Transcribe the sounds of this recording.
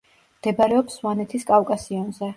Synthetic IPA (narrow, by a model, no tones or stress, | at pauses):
md̪̥ɛbaɾɛɔpsvanɛt̪ʰiskʼavkʼasiɔnzɛ